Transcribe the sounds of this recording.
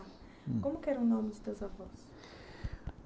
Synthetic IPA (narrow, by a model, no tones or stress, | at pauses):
kõmʊkɪɛɾɐ̃ʊnõmɪd͡ʒɪt̪ezavɔs